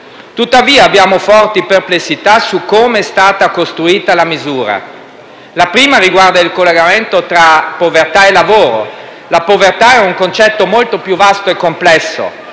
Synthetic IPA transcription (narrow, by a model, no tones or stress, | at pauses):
t̪ut̪ːaviːaːbjaːmofɔrt̪iperplesːit̪asukːoːmeɛst̪aːt̪akost̪ɾuiːt̪alamizuːɾa̰ | lapɾiːmaɾiɡward̪ailkolːeɡament̪ot̪ɾapovert̪aelːavoːɾo̰ | lapovert̪aɛuŋkont͡ʃɛt̪ːomolt̪opjuvast̪oekːomplɛsːo̰